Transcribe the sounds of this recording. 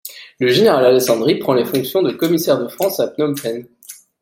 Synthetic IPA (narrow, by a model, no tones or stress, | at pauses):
ləʒeneʁalalesɑ̃d̪ʁipχɑ̃lefɔ̃ksjɔ̃d̪əkɔmisɛʁd̪əfχɑ̃sapnɔmpɛn